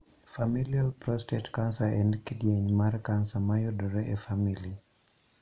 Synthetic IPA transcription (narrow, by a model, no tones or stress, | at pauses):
familialprɔstɛtkansaɛ̃ndkidieɲmarkansamajɔdɔɾɛʔefamili